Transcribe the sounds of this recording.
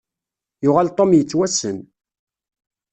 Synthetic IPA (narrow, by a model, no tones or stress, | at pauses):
jʊʁælt̪ˤomjət͡sːwæsən